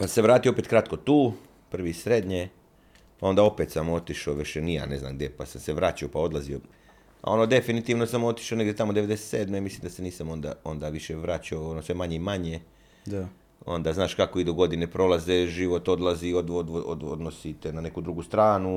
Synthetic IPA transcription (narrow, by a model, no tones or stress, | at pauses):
paseʋɾaːt̪ioopet̪kɾat̪ko̞t̪uː | pr̩ʋisɾe̞d̪ɲe | pao̞nd̪ao̞pet̪samo̞t̪iʃoʋeʃenija̰ne̞zna̰mɡd̪ʲepasamseʋɾaːt͡ɕaopao̞d̪lˠazio̞ | a̰o̞nod̪e̞finit̪iːʋno̞samo̞t̪i̥ʃone̞ɡd̪ʲjet̪amod̪eed̪eset̪se̞ːd̪memislimd̪aseniːsamo̞nd̪a̰o̞nd̪aʋiʃeʋɾaːt͡ɕaoonosʋe̞maɲemaɲe | d̪a | o̞̰nd̪aːznaːʃkakoid̪uɡo̞d̪inepɾo̞lazeʒiʋo̞t̪o̞d̪laziod̪od̪o̰d̪o̰d̪nosit̪enane̞kud̪ɾuɡust̪ɾaːnu